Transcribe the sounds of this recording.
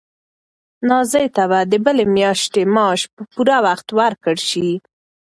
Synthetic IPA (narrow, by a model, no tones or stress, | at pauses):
nɑzəjt̪aβad̪əbəlemjɑʃt̪emɑʃpəpuɾawaxt̪waɾkəɽʃi